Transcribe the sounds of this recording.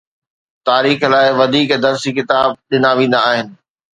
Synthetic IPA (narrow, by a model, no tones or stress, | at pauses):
t̪aːɾiːxlaːɪʋɐd̪ʱiːkd̪ɐɾsikɪt̪aːb̚ɗɪnaʋẽːn̆d̪aːɦɪnɪ̆